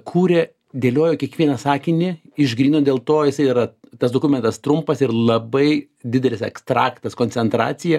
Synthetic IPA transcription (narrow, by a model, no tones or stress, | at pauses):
kʰuːɾʲe | d̪ʲeːlʲoːjoːkʲiɛkʋʲiɛnɐsɑːkʲɪnʲɪ | ɪʒɡɾʲiːnoːdʲeːlˠt̪oːjɪsɐɪɾɐt̪ɐsd̪oːkʊmʲɛnt̪ɐst̪ɾʊmpɐsɪɾlˠɐbɐɪ | d̪ʲɪd̪ʲɛlʲɪsɛkst̪ɾɑːkt̪ɐskoːnʲsʲɛnt̪ɾɑ̰ːt͡s̪ʲɪjɛ